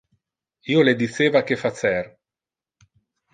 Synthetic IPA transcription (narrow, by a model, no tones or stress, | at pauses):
iːoled̪iseːvak̟efat͡ʃɛr